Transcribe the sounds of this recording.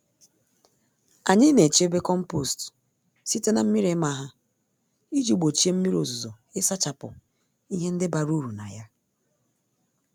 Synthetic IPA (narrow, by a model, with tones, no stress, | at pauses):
a˨ɲɪ˦ne˨t͡ʃe˦be˦kɔ˦m̩˦po˦˨st | si˦te˦na˨m̩˦mi˦ɾe˨˦ma˦ɦa˦ | i˦d͡ʒu˨˦˨ɡ͡bo˨t͡ʃi˦e˦m̩˦mi˦ɾo˨zu˨zo˨ | ɪ˦sa˦t͡ʃa˨pʊ̰˨ | i˦ɦe˦n̩˦dɪ˦ba˨ɾu˦ɾu˨na˨ja˦